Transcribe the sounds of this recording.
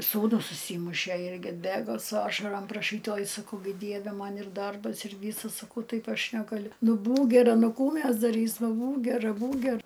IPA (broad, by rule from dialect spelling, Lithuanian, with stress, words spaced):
suːˈnʊs ʊʃʲˈsʲiːmʊʃʲæ ˈɪrʲɡʲɪ ɐdʲˈbʲeːɡoː sʊ ˈɑːʃɐrɐm prɐˈʃʲiːt ˈoːj sɐˈkɐʊ ˈdʲiɛʋʲɛ ˈmɐn ɪr ˈdɐrbɐs ɪr ˈʋʲiːsɐ sɐˈkɐʊ ˈtɐɪp ˈɐʃ nʲɛɡɐˈlʲʊ ˈnʊ ˈbuːk ɡʲɛˈrɐ ˈnʊ ˈkuː ˈmʲɛs dɐˈrʲiːsmɐ ˈbuːk ɡʲɛˈrɐ ˈbuːk ˈɡʲɛr